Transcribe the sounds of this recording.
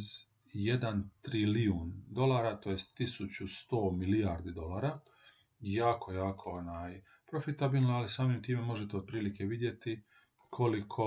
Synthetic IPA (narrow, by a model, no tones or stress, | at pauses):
z | jed̪ant̪ɾiliund̪o̞lˠaːɾat̪oːjest̪ːisut͡ɕust̪o̞ːmilijaːɾd̪id̪o̞laːɾa | jaːkʰo̞jaːkʰoonaːj | pɾofit̪abiːlnoalisaːmimt̪iːme̞mo̞ʒet̪eod̪̚pɾiːlike̞ʋid̪je̞t̪i | kʰo̞likʰo̞